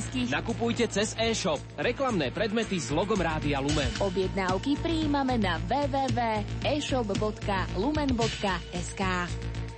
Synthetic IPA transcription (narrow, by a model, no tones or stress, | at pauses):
skinakupujcɛt͡sɛzɛːʃɔp̚ɾɛklamnɛːpɾɛd̪mɛt̪izlɔɡɔmɾaːd̪ialumɛnɔbjɛd̪naʊkipɾiːmamɛnaʋɛːʋɛːʋɛːɛːʃɔbbɔt̪kalumɛnbɔt̪kaɛskaː